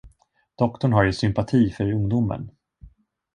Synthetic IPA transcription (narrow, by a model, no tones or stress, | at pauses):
d̪̥ɔkt̪ɔɳɦaɾjɵsʏmpat̪ʰiːfœɾɵŋd̪ʊmə̰n